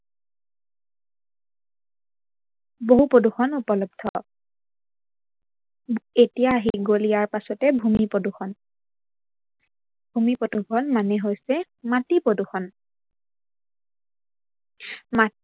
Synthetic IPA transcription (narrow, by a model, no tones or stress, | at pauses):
boɦupoduxɔnupɔlɔb̚dʱɔ | etijaːɦiɡolijaɹpasɔtɛbʱumipɔduxʰɔn | bʱumipodukɔnmanɛɦojsɛ | matipɹoduxʰɔn | ma